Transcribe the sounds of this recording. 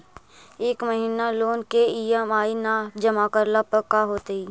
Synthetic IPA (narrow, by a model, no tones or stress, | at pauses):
eːkməɦiːnaloːnkeiːəmaːinad͡ʒəmakəɾləpəkaɦoːt̪ei